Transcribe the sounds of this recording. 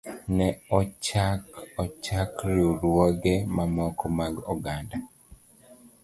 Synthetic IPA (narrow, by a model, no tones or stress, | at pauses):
nɛɔt͡ʃakɔt͡ʃakɾjuɾwoɡemamɔkɔmaɡɔɡanda